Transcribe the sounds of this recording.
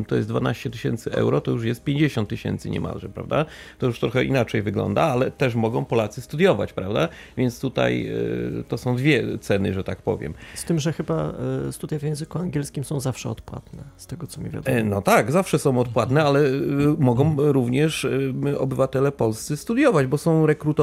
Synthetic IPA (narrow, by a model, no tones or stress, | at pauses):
mt̪ɔjɛsd̪vanaɕt͡ɕɛt̪ɘɕɛnt̪sɘʔɛ̰wɾɔt̪ɔjuʂjɛst̪̚pʲjeɲd͡ʑeɕɔ̃nt̪ːɨɕɛ̰nt̪sɘɲɛ̰mʔa̰lʐɛpɾa̰vd̪a̰t̪ɔjuʂt̪ɾɔxɛʔinat͡ʂɛjvɘɡlɔ̰nd̪aalɛt̪ɛʂ̬mɔɡɔ̃w̃pɔlat̪sɘst̪ud̪jɔva̰t͡ɕpɾavd̪a | vʲjɛnt̪st̪ut̪a̰jt̪ɔsɔ̃w̃d̪vʲjɛt̪sɛnɨ̰ʐɛt̪ak̚pɔ̰vʲjɛ̰mst̪ɘmʐɛxɘbast̪ut̪ajvʲjɛ̃w̃zɘkuaŋɡʲjɛlskʲimsɔ̃w̃zafʂɛɔt̪pwa̰t̪nɛst̪ɛɡɔtsɔmʲḭvʲja̰d̪nɔt̪aɡzafʂɛsɔ̃w̃ɔt̪pwat̪nɛalɛmɔɡɔ̃w̃ɾuvɲɛʂɔ̰bɘvat̪ɛlɛpɔlst̪sɛst̪ud̪jɔvad͡ʑbɔsɔ̃w̃ɾɛkɾut̪